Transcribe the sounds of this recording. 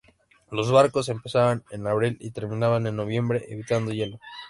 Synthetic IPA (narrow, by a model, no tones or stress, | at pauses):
lo̞zβaɾko̞s̬e̞mpe̞saβanenaβɾilḭt̪e̞ɾmĩnaβane̞nːo̞β̞je̞mbɾe̞ʔeβit̪and̪o̞ʝe̞lo̞